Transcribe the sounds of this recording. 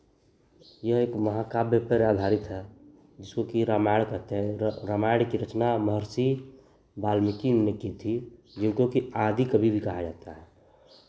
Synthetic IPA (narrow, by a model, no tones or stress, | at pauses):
jəɦeːkməɦakaːbjəpəɾaːd̪ʱaːɾɪt̪ɦɛ | d͡ʒɪskokiɾaːmaɪɽkɐɾt̪eɦɛ̃ɾaːmaɪɽkiɾət͡ʃnaməɦəɾsi | baːlmɪkinekit̪ʰi | d͡ʒɪnkokiaːd̪ʱikəbʱibʱikɐɦad͡ʒaːt̪aɦɛː